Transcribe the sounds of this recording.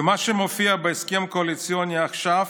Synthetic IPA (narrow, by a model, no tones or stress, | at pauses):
maʃɛmofiabɛjskɛmkoalit͡sionɛaxʃaf